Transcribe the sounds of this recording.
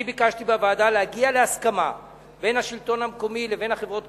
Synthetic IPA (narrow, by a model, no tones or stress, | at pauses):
ibikaʃtibeavaːdalehaɡiale̞askama | be̞jnaʃilto̞nhamko̞mile̞ve̞jnhaχe̞vʁo̞t